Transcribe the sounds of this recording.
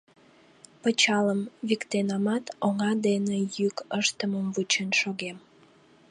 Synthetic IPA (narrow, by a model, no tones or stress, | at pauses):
pət͡ɕɑləmβikt̪enɑmɑt̪oŋɑd̪enejykəʃt̪əməmvut͡ɕənʃoɣem